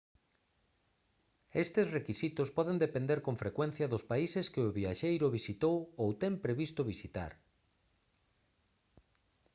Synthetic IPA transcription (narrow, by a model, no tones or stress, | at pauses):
est̪ɪsrekisit̪ʊspɔðend̪epẽnd̪eɾkoɱfɾekwɛn̟θjɐðʊspaiseskɪʊβiaʃejɾʊβisit̪owowt̪ɛmpɾeβist̪ʊβ̞isit̪a̰ɾ